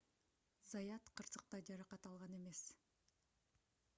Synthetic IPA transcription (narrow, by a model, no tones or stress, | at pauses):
zɑjɑt̪qʰɯɾsɯq̚t̪ɑjd͡ʒɑɾɑqɑt̪ɑlˠʁɑne̞me̞s